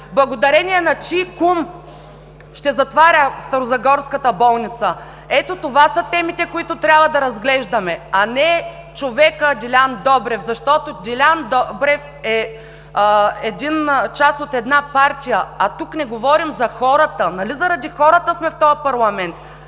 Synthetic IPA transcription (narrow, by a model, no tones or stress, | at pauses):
blˠɐɡod̪ɐɾɛniɛnɐt͡ʃikum | ʃt̪ɛzɐt̪vaɾʲəst̪ɐɾozɐɡɔɾskət̪əbɔlˠnit̪sə | ɛt̪ot̪ovasɐt̪ɛmit̪ɛkoit̪ʊt̪ɾʲjabvɐd̪ɐɾɐzɡlɛʒd̪ɐmɛɐnɛ | t͡ʃovɛkəd̪ilʲand̪ɔbɾɛfzɐʃt̪ɔt̪od̪ʲilʲand̪ɔbɾɛf | ɛ | ɛd̪int͡ʃasot̪ɛd̪napaɾt̪ʲijəɐt̪uknɛɡovɔɾimzɐxɔɾət̪ənɐlizɐɾɐd̪ixɔɾət̪əsmɛft̪ɔjɐpɐɾlˠɐmɛnt̪